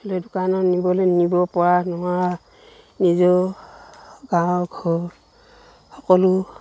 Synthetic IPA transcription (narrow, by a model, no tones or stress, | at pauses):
ɔlɛdʊkanɔnibɔlɛnibɔpɔɹanɔwa | nizɔ | ɡãwɡʱɔ | hɔkɔlu